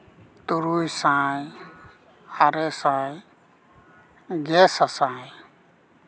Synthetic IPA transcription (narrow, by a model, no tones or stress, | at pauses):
t̪uɾujsãːj | aɾesãːj | ɡesasãːji